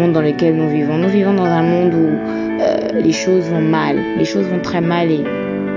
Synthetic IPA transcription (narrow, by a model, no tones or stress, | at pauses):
ɔ̃d̪ɑ̃ləkʲɛlnuvivɔ̃nuvivɔ̃d̪ɑ̃zɛ̃mɔ̃d̪u | ø̰leʃozvɔ̃mal | leʃozvɔ̃t̪χɛmale